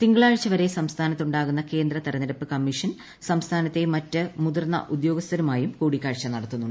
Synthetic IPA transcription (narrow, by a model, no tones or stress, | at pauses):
t̪iŋɡɐɭaːɻt͡ɕːɐʋɐɾe̞sɐmst̪ʰaːnɐt̪ːuɳɖaːɣunːɐke̞ːnd̪ɾɐt̪ɐɾɐniɾɐpːɨkɐmːiʂɐn | sɐmst̪ʰaːnɐt̪ːe̞mɐtːɨmuðɐrnːɐ̰ʔud̪joːɡɐst̪ɐɾumaːjumkuːɽikʲːaːɻt͡ɕːɐnɐɽɐt̪ːunːuɳɖɨ